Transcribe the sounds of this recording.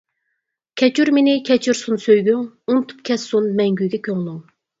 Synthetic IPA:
kʲʰɛt͡ʃʰyɾmenɪkʲʰɛt͡ʃʰyɾsunsøjɡʲyŋ | unt̪ʰu̥p̚kʲʰɛsːunmɛŋɡʲyjɡʲɛkʲʰøŋlˠuŋ

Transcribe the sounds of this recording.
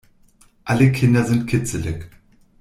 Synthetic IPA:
ʔaləkʰɪndɐzɪntkʰɪt͡səlɪk

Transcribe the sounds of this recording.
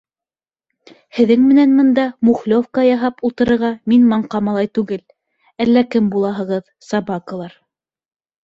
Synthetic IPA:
hɘ̆ðɘŋmɘ̆nænmɤ̆nd̪ɑmuχlʲofkɑjɑɦɑpulˠt̪ɤ̆ɾɤ̆ɾʁɑminmɑɴqɑmɑlˠɑjt̪ʉɡɘl | ælːækɘmbulˠɑɦɤ̆ʁɤð | sɑbɑkɤ̆lˠɑɾ

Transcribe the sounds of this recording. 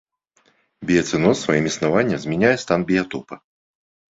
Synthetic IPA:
bʲijɐt̪sɨnɔsːvajimisnavanʲːɐmzʲmʲɛnʲajɛst̪anbʲijat̪ɔpɐ

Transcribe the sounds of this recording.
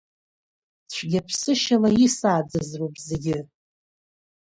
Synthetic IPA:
t͡ɕʷʰɡʲapʰsɨʃalaisaːd͡zɨzropʼzeɡʲɪ

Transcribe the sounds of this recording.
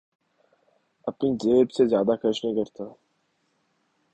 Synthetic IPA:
ɐpnizeːɾbsezjaːd̪akʰəʃnĩːkəɾt̪aː

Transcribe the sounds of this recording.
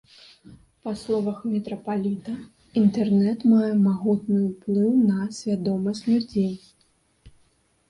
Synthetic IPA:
pɐslˠɔvɐxmʲɛt̪ɾɐpalʲit̪ɐ | int̪ɛrnɛt̪majɛmaɣut̪̚nɨuplˠɨwnɐsʲvʲad̪ɔmɐsʲnurd͡zʲejʲ

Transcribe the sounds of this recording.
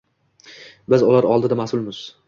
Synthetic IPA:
bɪzʊlaɾɒlˠd̪ɪd̪amasʊlˠmɪz̥

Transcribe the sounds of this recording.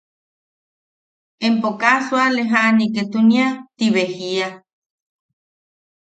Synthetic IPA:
empokaswaleɦaʔniket̪uniat̪iβehia

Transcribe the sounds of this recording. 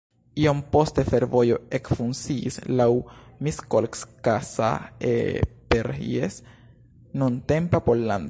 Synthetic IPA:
iompo̞st̪efeɾvo̞jo̞ekfunsḭːslawmiskolkskasa̰ḛpeɾḭes | nunt̪empapolːan

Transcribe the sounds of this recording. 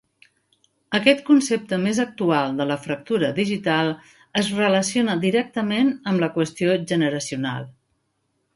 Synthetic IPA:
əkɛt̪kunsep̚t̪əmezək̚t̪ualˠd̪ələfɾək̚t̪uɾəðiʒit̪alˠ | əzrələsionəd̪iɾɛk̚t̪əmenəmləkwəst̪ioʒənəɾəsiuna̰lˠ

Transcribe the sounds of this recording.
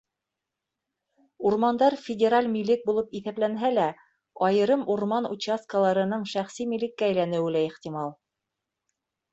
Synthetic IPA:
uɾmɑnd̪ɑɾfʲɪdʲeɾalʲmilɘk̚bulˠɤpiθæplænɦælæ | ɑjɤ̆ɾɤmuɾmɑnṵt͡ɕaskəlˠɑɾɤ̆nɤɴʃæχsimilɘkːæːjlænɘ̆wɘlæiχt̪imɑlˠ

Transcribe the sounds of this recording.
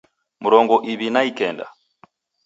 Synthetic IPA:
muɾɔŋɡɔʔiβinaikɛnda̰

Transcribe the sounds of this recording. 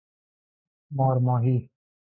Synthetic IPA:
maːɾmãːɦiː

